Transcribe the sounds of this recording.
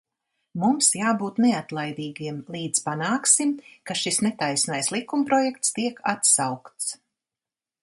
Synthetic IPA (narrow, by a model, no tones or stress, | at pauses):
mumsjaːbuːt̪nɛat̪lˠajd̪iːɡiɛmlˠiːd̪zpanaːksimkaʃisnɛt̪ajsnajslˠikumpɾɔjɛkt̪st̪iɛkat̪sawkt̪s